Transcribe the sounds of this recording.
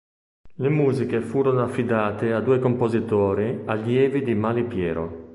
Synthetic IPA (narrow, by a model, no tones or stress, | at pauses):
lemuːzikefuːɾonoafːid̪aːt̪ead̪uːekompozit̪oːɾialjɛːvid̪imalipjɛːɾo̰